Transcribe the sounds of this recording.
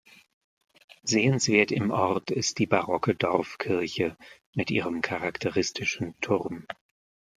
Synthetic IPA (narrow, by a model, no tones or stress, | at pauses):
zeːənsv̥eːɐtɪmʔɔʁtɪst̚d̥iːbaʁɔkədɔʁfkʰɪɐçə | mɪtʔiːʁəmkʰaʁaktʰəʁɪstʰɪʃn̩tʰʊʁm